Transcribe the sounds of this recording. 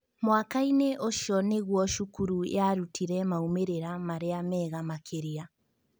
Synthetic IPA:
mwakaineʔoʃɔneɣwɔʃukuɾuj̰aɾutʰiɾɛmaumeɾeɾamaɾeamɛɣamakʰeɾia

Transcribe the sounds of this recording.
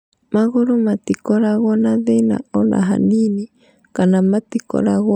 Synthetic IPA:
maɣoɾomat̪ikɔɾaɣɔnaðena̰ɔna̰ɦa̰nini | kanamat̪ikɔ̰ɾaɣ

